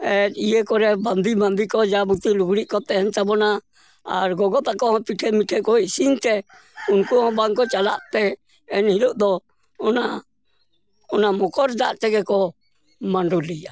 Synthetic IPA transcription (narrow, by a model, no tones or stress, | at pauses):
ɛtijɛkɔɾɛbamd̪ibamd̪ikɔd͡ʒabut̪iluɡɾiʔkɔt̪ɛɦɛnt̪abɔna | aɾɡɔɡɔt̪akɔhɔ̃piʈʰɛmiʈʰɛkɔisint̪ɛ | unkuɦɔ̃baŋkɔt͡ʃala̰ʔt̪ɛː | nhilɔʔd̪ɔ | ɔna | ɔnamɔkɔɾd͡ʒa̰ʔt̪ɛɡɛkɔ | maɳɖulija